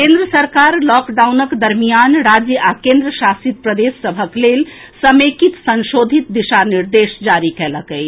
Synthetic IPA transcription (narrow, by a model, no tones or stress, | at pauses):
kẽnd̪ɾəsəɾkaɾlɔkɖawnəkd̪əɾmijanɾad͡ʒjəʔakẽnd̪ɾəʃasit̪̚pɾəd̪esːəbʱəklel | səmekit̪sənʃod̪ʱit̪̚d̪iʃaniɾd̪esd͡ʒaɾikeləkəɪ